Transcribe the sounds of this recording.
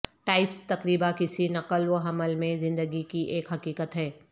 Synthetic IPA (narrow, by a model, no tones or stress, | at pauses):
ʈaːɪpst̪ɐkɾiːbakɪsinɐqəlwoɦɐməlmẽzɪ̃nd̪əɡikiʔeːkɦɐkiːkət̪ɦɛː